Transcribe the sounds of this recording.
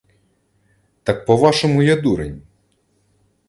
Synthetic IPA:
t̪ɑk̚pɔʋɑʃɔmʊjɛd̪uɾḛnʲ

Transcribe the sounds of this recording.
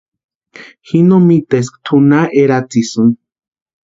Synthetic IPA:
xinomit̪es̬kt̪ʰunaʔeɾat͡sisɨn

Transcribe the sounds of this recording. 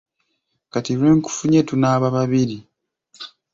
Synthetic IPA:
katiɾwe̞ːŋku̥fuɲetunaːβaβaβiɾi

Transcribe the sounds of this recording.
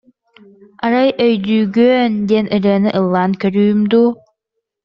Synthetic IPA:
aɾajœjd̪yːɡøːnd̪iɛnʔɯɾɯɐnɯʔɯlˠːaːnkœɾyːmd̪uː

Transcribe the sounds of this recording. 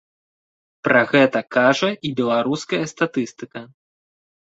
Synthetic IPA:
pɾʔaɣɛt̪ɐkaʐɐibʲɛlˠaɾuskɐjɐst̪at̪ɨst̪ɨkɐ

